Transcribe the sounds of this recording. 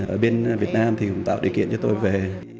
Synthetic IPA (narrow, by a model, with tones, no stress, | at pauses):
ʔəː˧˩ɓe˧nvi˨˩ət̚naː˧mt̪ʰi˨˩kʊ̰˧˥ŋ͡mt̪a̰ː˧˨wɗi˨˩əwkḭ˧˨ənt͡ɕɔ˧t̪o˧jve˨˩